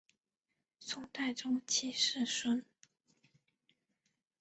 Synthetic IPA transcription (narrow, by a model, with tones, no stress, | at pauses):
t͡sʰʊ˧˥ŋt̪a˥˩ɪʈ͡ʂʊ˥ŋt͡ɕʰi˥ʂɻ̩˥˩ʂwə˥n